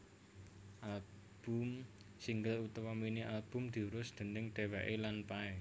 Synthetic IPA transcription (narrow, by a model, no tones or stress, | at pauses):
ʔal | b̥ṳm | siŋɡəlut̪waminiʔalb̥ʊ̤md̪̥i̤uɾʊsd̪̥ə̤nɪŋɖ̪̥ewɛʔelanpaɛ